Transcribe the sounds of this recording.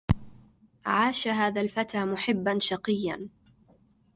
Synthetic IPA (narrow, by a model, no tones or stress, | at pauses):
ʕaːʃaɦaːðalfat̪aːmʊħɪbːanʃɑqɨjːa̰n